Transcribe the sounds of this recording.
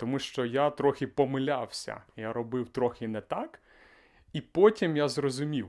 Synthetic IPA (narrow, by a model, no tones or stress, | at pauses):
t̪ɔmuʃt͡ʃɔjat̪ɾɔxʲɪpɔmɪlʲawsʲɐ̰jaɾɔbɪwt̪ɾɔxʲɪnɛt̪ak | ipɔtʲimjazrɔzʊmʲiw